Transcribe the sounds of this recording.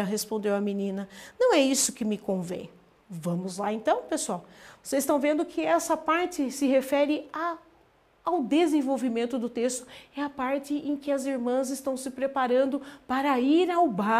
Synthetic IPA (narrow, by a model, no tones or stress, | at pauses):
ɐɦespõnd̪ewɐminĩnɐnɐ̃w̃ɛisʊ̥kɪmɪkõvḛ̃j̃ | vɐ̃mʊzlaẽnt̪ɐ̃w̃pesuawvosezɪst̪ɐ̃w̃vẽnd̪ʊkʰɪɛsɐpaɾt͡ʃɪsɪɦefɛɾɪaː | wd̪ezẽvowvimẽnt̪ʊd̪ʊt̪est̪ʊ̥ɛɐpaɾt͡ʃɪʔẽkɪɐziɾmɐ̃zɪst̪ɐ̃w̃sɪpɾepaɾɐ̃nd̪ʊpaɾɐiɾawba